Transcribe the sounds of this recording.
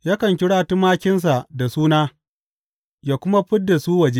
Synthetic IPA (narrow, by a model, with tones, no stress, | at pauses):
jaː˦kɐ˨ŋkʲɪ˦ɽaː˦tʊ˦mːaː˦kʲɪ˦ns̬a˨ʔda˨suː˦naː˦ | jaː˨kʷʊ˦ma˦ɸɪ˦dːa˨suː˦wɐ˨d͡ʒeː˦